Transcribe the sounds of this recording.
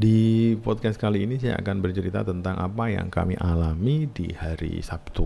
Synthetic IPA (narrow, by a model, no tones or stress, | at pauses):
dipɔt̪̚kɛskaliːnis̬aja̰a̰kanbərt͡ʃəɾit̪a̰t̪ənt̪aŋʔapaja̰ŋka̰miʔalamidḭhaɾḭsap̚t̪u